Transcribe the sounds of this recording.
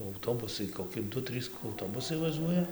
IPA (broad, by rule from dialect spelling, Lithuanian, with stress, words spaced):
ɐʊˈtoːbʊsɐɪ koːˈkʲɪ ˈdʊ ˈtʲrʲiːs ɐʊˈtoːbʊsɐɪ ʋɐˈʒuɔjɛ